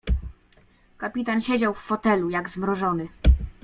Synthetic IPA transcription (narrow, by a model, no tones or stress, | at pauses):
kapʲit̪anɕed͡ʑawfːɔt̪ɛlujaɡzmɾɔʐɔnɘ